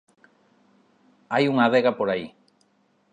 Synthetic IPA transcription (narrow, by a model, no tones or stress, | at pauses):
ajuŋaðeɣapoɾai